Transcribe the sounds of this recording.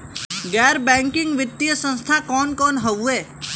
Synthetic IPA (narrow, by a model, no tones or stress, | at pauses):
ɡɛɾbɛ̃ŋkɪ̃ŋɡʋɪt̪ːijəsə̃nst̪ʰakɔnkɔnɦəʋue